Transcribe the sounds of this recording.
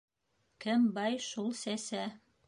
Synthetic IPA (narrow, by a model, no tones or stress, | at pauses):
kɘmbɑjʃulˠsæsæ